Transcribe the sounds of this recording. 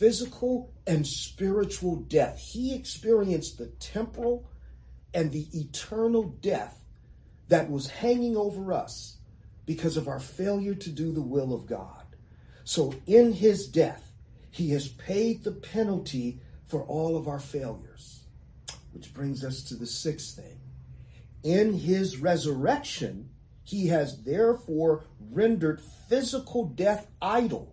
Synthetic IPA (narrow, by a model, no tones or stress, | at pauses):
fɪzɨkʰl̩ˠ | ɨ̃nspɪɹɨt͡ʃul̩ˠdɛθhiɨkspɪɹiɨ̃nsðɨtʰɛ̃mpə˞l̩ˠ | ɨ̃nðiʔɨtʰɜ˞nl̩ˠdɛθ | ðɨt̚wʌz̥hæ̃ŋɪ̃ŋoʊvə˞ʌ̰s | b̥ɨkʰʌzʌvaʊə˞feɪlˠjə˞ɾɨdɨðəwɪlˠʌvɡɑ̰d̥̚ | soʊɪ̃nɪzdɛθ | hiɨz̥pʰeɪd̪̚ðəpʰɛnl̩ˠtʰifə˞ʔɔlˠʌvaʊə˞feɪlˠjə̰˞z̥ | wɨt͡ʃb̥ɹɪ̃ŋzʌstʰɨðɨsɪksθɪ̰̃ŋ | ɪ̃nɪzɹɛzə˞ɛkʃɨ̰̃n | iɨzðɛɹfɔɹɹɛ̃ndə˞d̥fɪzəkʰl̩ˠdɛθ | aɪɾl̩ˠ